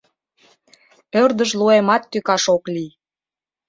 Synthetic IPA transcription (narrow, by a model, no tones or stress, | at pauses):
ørd̪əʃluemɑt̪ːykɑʃokli